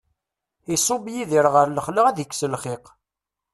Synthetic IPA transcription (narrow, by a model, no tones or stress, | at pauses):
isˤobjiðiɾʁəɾləχləʁæðəkʷːsəlχɪq